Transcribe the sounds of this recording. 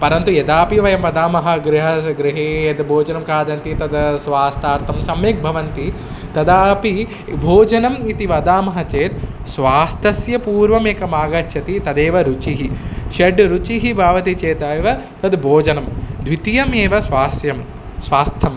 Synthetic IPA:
pɐɾɐnt̪ujed̪aːpiʋɐjɐmʋɐd̪aːmɐɦɐɡɾiɦɐɡɾiɦeːed̪bʱoːd͡ʒɐnɐmkaːd̪ɐnt̪it̪ɐd̪sʋaːst̪ʰaːɾt̪ʰɐmsɐmeːk̚bʱɐʋɐnt̪i | t̪ɐd̪aːpi | bʱoːd͡ʒɐnɐmit̪iʋɐd̪aːmɐɦɐ̆t͡ʃeːt̪ | sʋaːst̪ʰɐsjɐpuːɾʋɐmeːkɐmaːɡɐt͡ʃʃʰɐt̪it̪ɐd̪eːʋɐɾut͡ʃiɦiʃɐɖɾut͡ʃiɦibʱaːʋɐt̪it͡ʃeːt̪aːjʋɐ | t̪ɐd̪bʱoːd͡ʒɐnɐmd̪ʋit̪ijɐmeːʋɐsʋaːsjɐm | sʋaːst̪ʰɐm

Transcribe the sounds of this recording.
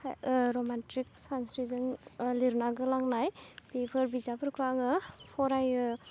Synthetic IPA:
ɾɔmantɾik̚sansɾizɯnliɾnaɡɯlaŋnajbepʰɯɾbizapʰɯɾkʰaŋɯpʰɔɾajɯ

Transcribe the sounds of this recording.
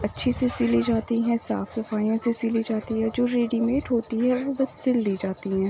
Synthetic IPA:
ɐtːʃʰisesɪlid͡ʒaːt̪iɦɛ̃sa̰ːfsɐfaːijõsesilid͡ʒaːt̪iɦɛd͡ʒoːɾeːɖimeːʈɦoːt̪iɦɛʋobɐst̪ɪlːiːd͡ʒaːt̪iɦɛ̃ː

